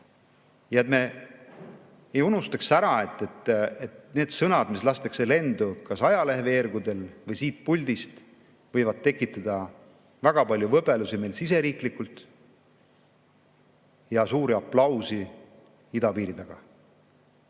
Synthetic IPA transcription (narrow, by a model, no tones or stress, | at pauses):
jɑet̪me̞ | ejunust̪ɑksæɾɑe̞t̪ːˑe̞t̪ːet̪neːd̪̥sɤnɑd̪mislɑst̪ekse̞le̞nd̪̥ukɑsɑjɑleɦveeɾɡud̪e̞lvɤjsiːt̪̚pulʲd̪ist̪ | vɤjvɑd̪̚t̪ːe̞kːˑit̪ːˑɑd̪̥ɑ | væɡ̥ɑpɑlʲjuvɤbe̞lusime̞ːlsise̞ɾiːklikːult̪ˑ | jɑsuːɾiɑplɑwsi | id̪ɑpiːɾid̪̥ɑɡ̥ɑ